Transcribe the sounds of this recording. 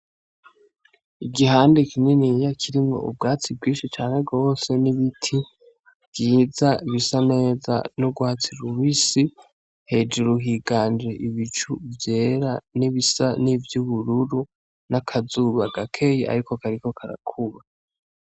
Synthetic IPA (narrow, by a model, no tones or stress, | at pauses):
iɡiɦaːndekininijakʰiɾimŋo̞̰ʔṵb̚ɡaːt͡sib̚ɡiːnʃit͡ʃaːne̞ɡo̞ːse̞niβitʰi | vɡiːzaiβisane̞ːza̰nuɡwaːt͡siɾuβisi | he̞d͡ʒuɾuɦiɡaːnd͡ʒeʔiβit͡ʃuvje̞ːɾaniβisanivjuβuɾuɾu | nakʰazuβaɡakʰe̞jeʔa̰ɾikokaɾiko̞kʰaɾa̰kʰuβa